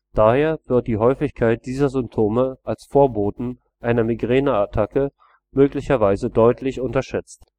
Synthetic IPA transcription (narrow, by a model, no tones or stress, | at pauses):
d̥aːheːɐv̥ɪɐt̚d̥iːɦɔʏfɪçkʰaɪt̚d̥iːzɐzʏmp̚tʰoːməʔalsfoːɐboːtn̩ | ʔaɪnɐmiɡʁeːnaatʰakə | møːklɪçɐvaɪzədɔʏtʰlɪçʊntɐʃɛt͡st